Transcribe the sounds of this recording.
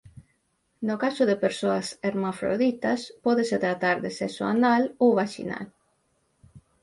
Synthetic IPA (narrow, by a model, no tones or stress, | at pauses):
nokasoðepeɾsoaseɾmafɾo̰ðit̪ɐspɔðeset̪ɾat̪aɾðesesoa̰nalowβaʃḭna̰l